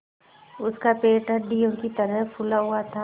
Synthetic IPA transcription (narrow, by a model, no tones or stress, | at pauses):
ʊskapeːʈəɾɖiõkit̪əɾəɦpʰʊlaɦʊat̪ʰaː